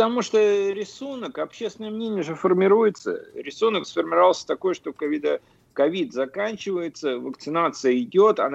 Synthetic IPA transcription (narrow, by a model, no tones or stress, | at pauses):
t̪ɐmuʂt̪oɾʲɪsunəkɐpɕːest̪ʲɪnəjəmnʲenʲɪjəʐɨfərmʲɪɾujɪt̪sə̰ɾʲɪsunəksfərmʲɪɾɐvalˠsʲə̥t̪ɐko̞jʂt̪okɐvʲid̪ə | kɐvʲid̪zɐkanʲt͡ɕɪvəjɪt̪səvəkt̪sɨnat̪sɨjəɪdʲo̞t̪ɐn